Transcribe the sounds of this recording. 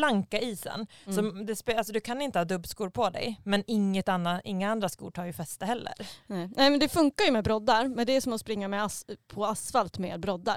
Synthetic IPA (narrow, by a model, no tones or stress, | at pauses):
laŋkaiːsə̰nsɔmd̪ɛspalsɔd̪ɵkʰanɪnt̪əhɑːd̪ɵbskuːɾpʰɔd̪ɛ̰jmɛnɪŋːət̪anːaʔɪŋːaand̪ɾaskṵːʈʰɑːjɵfɛst̪əhɛlːə̰ɾnɛnɛɪmɛnd̪ɛfɵŋkajɵmɛbɾɔd̪ːaɾmɛnd̪ɛæsɔmɔspɾɪŋːamɛaspʰɔasfalt̪mḛːd̪̚bɾɔd̪ːa̰ɾ